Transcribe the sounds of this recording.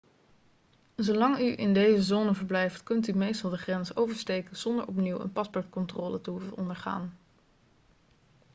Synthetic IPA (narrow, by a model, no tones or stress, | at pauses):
zowlɑŋyʔɪ̰ndejzəzoːnəvəɹblɛjftkɵntymejstɑlˠdəχrɛnsowvəɹstejkəz̥ɔndə̰ɹʔɔpniwə̰npɑspɔɹtkɔntrɔːlətəɦufənɔndəɹχa̰ːn